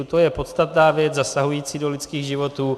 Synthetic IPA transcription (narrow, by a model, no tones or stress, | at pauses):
ut̪ojɛpo̞t̪st̪at̪naːvjɛd͡zzasaɦujiːt͡siːdo̞lɪt̪skiːɣʒɪvo̞t̪uː